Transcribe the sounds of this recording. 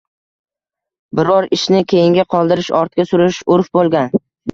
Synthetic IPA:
bɪɾɒɾɪʃnɪkʲʰe̞jɪŋɡʲaqʰɒlˠd̪ɪɾɪʃɒɾt̪̚kʲasʊɾɪʃʊɾfbolˠɡʲan

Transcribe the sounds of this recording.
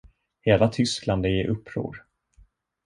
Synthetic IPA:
heːlat̪ʰʏskland̪ɛjɛɾʔɵpʰːɾo̰ːɾ

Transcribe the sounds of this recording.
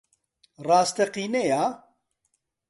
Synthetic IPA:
raːst̪ɛqiːnejaː

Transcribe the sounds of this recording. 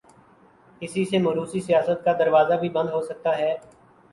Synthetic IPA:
ɪsiseːmɐːɾuːsiːsijaːsət̪̚kaːd̪əɾʋaːzaːbʱiːbə̃nd̪ɦoːsək̚t̪aːɦɛː

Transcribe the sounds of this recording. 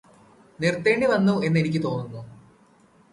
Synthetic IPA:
nirt̪ːe̞ːɳɖiʋɐnːue̞nːe̞nikʲːɨt̪o̞ːnːunːu

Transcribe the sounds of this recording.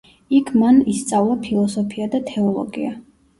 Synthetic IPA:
ikʰmanist̪sʼavlˠapʰilˠɔsɔpʰiad̪at̪ʰɛɔlˠɔ̰ɡḭa

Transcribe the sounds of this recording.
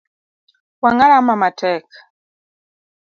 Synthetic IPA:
waŋalamamatɛkḁ

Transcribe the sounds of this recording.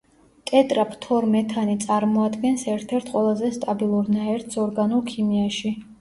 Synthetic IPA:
t̪ʼɛt̪ʼɾapʰt̪ʰɔɾmɛt̪ʰanit̪sʼaɾmɔad̪ɡɛnsɛɾt̪ʰɛɾt̪ʰqʼwɛlˠazɛst̪ʼabilˠuɾnaɛɾt̪ʰsɔɾɡanulˠkʰimiaʃi

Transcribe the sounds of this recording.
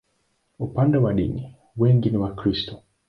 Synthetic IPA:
upandewaɗḭni | weŋɡiniwakɾisto

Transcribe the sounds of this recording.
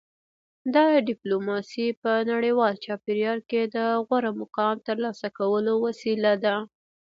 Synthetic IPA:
d̪ɑɖɪplomɑsipənaɽəjwɑlt͡ʃɑpeɾjɑɾked̪əɣwaɾamʊqɑmt̪əɾlɑsakawəlowasilad̪a

